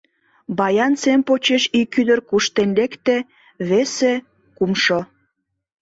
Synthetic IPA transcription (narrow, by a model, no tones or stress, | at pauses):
bɑjɑnt͡sempot͡ɕeʃikyd̪ərkuʃt̪enlekt̪ĕ | βese | kumʃo